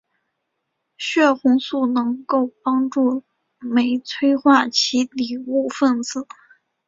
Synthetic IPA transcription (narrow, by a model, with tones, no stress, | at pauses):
ɕɥɛ˥˩xʊ˧˥ŋsu˥˩nɤ˧˥ŋko˥˩ʊpɑ˥ŋʈ͡ʂu˥˩ | me˧˥ɪt͡sʰwe˥ɪxwa˥˩t͡ɕʰi˧˥li˨˩u˥˧fə˥˩nt͡sɹ̩˥˩˦